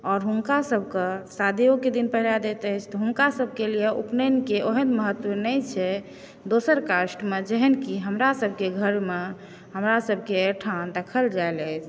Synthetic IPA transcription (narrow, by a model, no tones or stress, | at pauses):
ɔːɾɦunkasəb̚ʱkesad̪ioked̪inpəɦilad̪et̪əjt͡ʃʰt̪ɔɦunkasəb̚ʱkelijeʔupnənkeʔoɦənməɦət̪ənəjt͡ʃʰɛ | d̪osəɾkasʈmed͡ʒəɦənkiɦəmɾasəb̚ʱkeɡʱəɾme | ɦəmɾasəb̚ʱkeʈʰand̪əkʰəld͡ʒaelət͡ʃʰ